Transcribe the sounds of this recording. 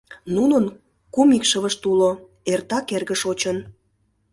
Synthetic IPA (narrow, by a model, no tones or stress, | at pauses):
nunən | kumikʃəβəʃt̪ulo | ert̪ɑkerɣəʃot͡ɕən